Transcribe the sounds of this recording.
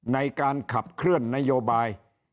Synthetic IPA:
na˧jkaː˧nkʰa˨˩p̚kʰɾɯ˥˩ənːa˦˥joː˧baː˧j

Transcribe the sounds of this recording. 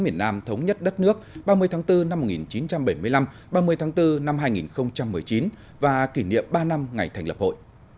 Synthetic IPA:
mi˨˧˩ənːaː˧mt̪ʰə˨˦wŋ͡mɲə˦˥t̚ɗə˦˥t̚nɨ˦˥ək̚ɓaː˧mɨ˧əjt̪ʰːŋt̪ɨ˧na˧mːo˨˩t̚ŋi˨˩nt͡ɕi˨˦nt͡ɕa˧mɓə˧˩jmɨ˧əla˧m | ɓaː˧mɨ˧əjt̪ʰːŋt̪ɨ˧na˧mɦaː˧jŋḭ˨˩nxə˧wŋ͡mt͡ɕa˧mːɨ˨˩əjt͡ɕi˨˦n | vaː˨˩ki˧˩nḭ˧˨əmɓaː˧na˧mŋa˨˩jt̪ʰɛ˨˩jŋ̟lə˨˩p̚ho̰˧˨jʔ

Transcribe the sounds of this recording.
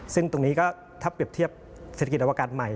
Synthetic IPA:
sɯ˥˩ŋt̪o˧ŋniː˦˥kɔː˥˩ | t̪ʰa˦˥˩pɾi˨˩əp̚t̪ʰi˥˩əp̚ | se˨˩t̪ʰaki˩t̪̚ʔa˧a˧kaː˧t̪̚ma˨˩j

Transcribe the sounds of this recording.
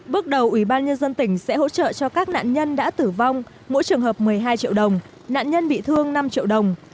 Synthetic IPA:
ɓɨ˦˥ək̚ɗə˨˩wʔwi˧˩ɓaː˧nɲə˧nzə˧nt̪ï˧˩ŋ̟sɛ̰˧˥ho̰˧˥t͡ɕə̰ː˧˨t͡ɕɔ˧kaː˦˥k̚na̰ː˧˨nɲə˧nɗa̰ː˧˥t̪ɨ˨˩va˧wŋ͡m | mo̰˧˥jt͡ɕɨ˨˩əŋɦəː˨˩p̚mɨ˨˩əjɦaː˧jt͡ɕḭ˧˨əwɗə˨˩wŋ͡m | na̰ː˧˨nɲə˧nɓḭ˧˨t̪ʰɨ˧əŋna˧mt͡ɕḭ˧˨əwɗə˨˩wŋ͡m

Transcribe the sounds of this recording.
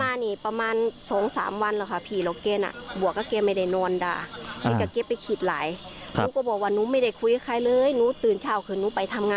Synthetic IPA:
maː˧niː˧˩pa˧maː˧nsɔː˨˦ŋsa̰ː˨˦mwa˧˨nlaː˧˩kʰa˧˩pʰiː˧˩lɔː˨˦keː˧˨na̰˧˩bu˨˩əkːa˧˩ke˧ma˧˩jda˧˩jnɔː˧nda̰ː˧˩ha˧˨ka˧˩ke˧˥pːa˨jkʰi˧˩t̪̚laː˨˦jkʰu˧˦kɔː˧˩bɔː˨˩k̚waː˧˨nuː˧˦ma˧˩jda˧˩jkʰu˧ja˧˦kʰa˧˩jlɤː˧jnuː˧˥˦t̪ɯː˨˩nt͡ɕʰaː˧˩wkʰɯː˧˩˨nuː˧˦pa˨jt̪ʰa˧mŋaː˧

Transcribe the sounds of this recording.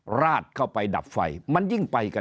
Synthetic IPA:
ɾaː˥˩t̪̚kʰa˥˩wpa˧jda̰˨˩p̚fa̰˧jma˧nji˥˩ŋpa˧jka˧

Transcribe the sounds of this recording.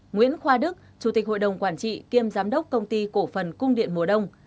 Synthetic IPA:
ŋwḭ˧˥ənxwaː˧ɗɨ˦˥k̚t͡ɕu˧˩t̪i˨˩k̟̚ho̰˧˨jɗə˨˩wŋ͡mkwaː˧˩nt͡ɕḭ˧˨ki˧əmzaː˨˦mɗə˦˥wk͡p̚kə˧wŋ͡mt̪i˧ko˧˩fə˨˩nkʊ˧ŋ͡mɗḭ˧˨ənmu˨˩əɗə˧wŋ͡m

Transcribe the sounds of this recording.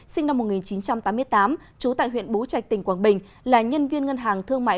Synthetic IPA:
sï˧ŋ̟na˧mːo˨˩t̚ŋi˨˩nt͡ɕi˨˦nt͡ɕa˧mt̪aː˨˦mɨ˧əjt̪aː˨˦m | t͡ɕu˨˦t̪a̰ː˧˨jhwḭ˧˨ənɓo˨˦t͡ɕa˨˩jk̚t̪ï˨˩ŋ̟kwaː˨˩nɓï˨˩ŋ̟ | laː˨˩ɲə˧nvi˧ənŋə˧nɦaː˨˩ŋt̪ʰɨ˧əŋma̰ː˧˨

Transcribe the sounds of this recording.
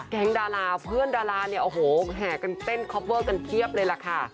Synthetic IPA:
kɛ˨˦ŋdaː˧laː˧pʰɯ˥˩əndaː˧laː˧ni˥˩ɐʔoː˨˩ɦoː˨˩˦ɦaː˨˩ka˧nt̪e˥˩nkʰɔː˦˥p̚wɤː˥˩ka˧nt̪ʰi˥˩əp̚lɤː˧jla˨˧˩kʰa˥˩

